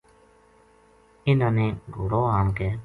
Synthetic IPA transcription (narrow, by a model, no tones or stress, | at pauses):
ɪnãːnẽːɡʱoːɽoːɦaːnkɛː